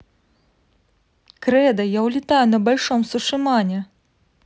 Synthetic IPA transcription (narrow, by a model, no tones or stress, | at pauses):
kɾɛd̪ɐjawlʲit̪ajunɐbalʲʂɔmsuʂɨmanʲɛ